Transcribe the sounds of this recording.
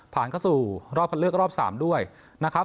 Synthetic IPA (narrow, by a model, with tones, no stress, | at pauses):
pʰaː˨˩˦nkʰa˥˩wsuː˨˩ɾɔː˥˩p̚ʰa˧nlɯ˥˩ək̚ɾɔː˥˩p̚sa̰ː˩˦mdu˥˩əj | na˦˥kʰa˦˥